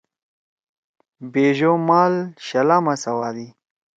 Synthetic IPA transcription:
beːʒomaːlɕɐlamasɐwad̪i

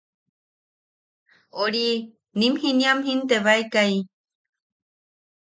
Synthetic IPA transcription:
oɾi | nimhiniamɦint̪eβaekai

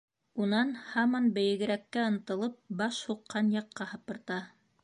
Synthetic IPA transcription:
unɑnhɑmɑnbɘ̆jɘ̆ɡɘ̆ɾækːæɤ̆nt̪ɤ̆lˠɤp̚bɑʃhuqːɑnjɑqːɑhɤ̆pɤ̆ɾt̪ɑ

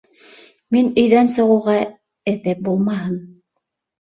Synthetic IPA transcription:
minɵ̆jðænsɤ̆ʁɤ̆wʁɑ | ɘ̆ðɘp̚bulˠmɑɦɤm

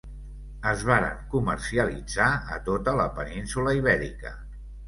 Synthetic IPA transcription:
əzβaɾə̰ŋkuməɾsiəlid͡zaət̪ot̪ələpəninsuləiβ̞ɛɾḭkə̰

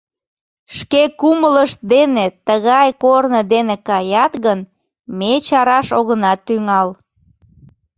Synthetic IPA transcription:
ʃkekumələʃ̚d̪enet̪əɣɑjkornəd̪enekɑjɑt̪ɣən | met͡ɕɑɾɑʃoɣənɑt̪ːyŋɑl

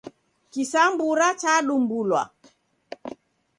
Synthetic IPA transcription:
kisambuɾat͡ʃaɗumbulwa̰

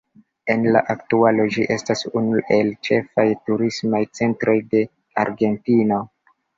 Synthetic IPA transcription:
e̞nla̰ʔaktualod͡ʒiʔe̞stasunuʔe̞lt͡ʃe̞fajtuɾismajt͡se̞ntɾo̞jde̞ | aɾɡe̞ntino̞

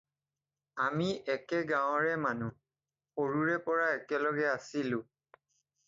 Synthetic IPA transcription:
amiʔɛkɛɡaw̃ɹɛmanu | xoɹuɹɛpɔɹaɛkɛlɔɡɛasilʊ̃

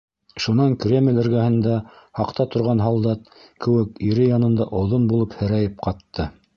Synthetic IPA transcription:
ʃunɑŋkrʲemʲlʲɘ̆ɾɡæhɘ̆nd̪æ | hɑqt̪ɑt̪ŏɾʁɑnɦɑlˠd̪ɑt̪̚ | kɘ̆wɘkiɾɘjɑnɤ̆nd̪ɑʔŏwðonbulˠɤphɘ̆ɾæjɘp̚qɑt̪ːɤ

